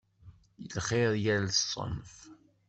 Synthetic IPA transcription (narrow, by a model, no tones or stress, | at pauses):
jəlχeðˤjæɾlsˤːə̰nf